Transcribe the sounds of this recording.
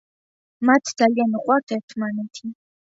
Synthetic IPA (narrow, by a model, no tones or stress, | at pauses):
mat̪ʰd̪zalijanəqʼwaɾt̪ʰɛɾt̪ʰmanɛt̪ʰi